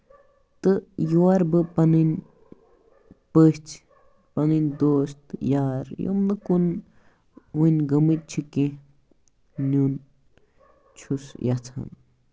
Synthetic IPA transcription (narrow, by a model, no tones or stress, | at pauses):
t̪ɨjuaɾbɨpɐnɨnʲ | pəɦt͡sʰ | pɐnɨnʲd̪oːst̪jaɾjo̰mnɨkun | unʲɡɐmɨt̪̚t͡ʃʰikẽ | nun | t͡ʃʰusjat͡sʰa̰n